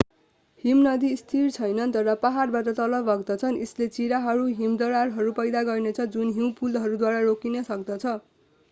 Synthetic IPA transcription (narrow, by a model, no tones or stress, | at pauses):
himnʌd̪ist̪ʰirt͡sʰʌjnʌnt̪ʌɾʌpaɦarbaʈʌt̪ʌlʌbʌɡd̪ʌt͡sʰʌneslet͡siɾaɦʌɾuɦimd̪ʌɾarɦʌɾupʌjd̪aɡʌrnet͡sʰʌd͡zunɦiw̃pulɦʌɾud̪waɾaɾokinʌsʌkd̪ʌt͡sʰʌ